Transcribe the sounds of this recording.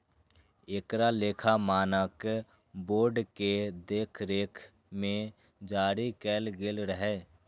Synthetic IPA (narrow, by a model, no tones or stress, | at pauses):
eːkɾaleːkʰamaːnək | boːɾɖked̪eːkʰɾeːkʰ | mẽ | d͡ʒaːɾikɛːlɡɪlɾəɦɛː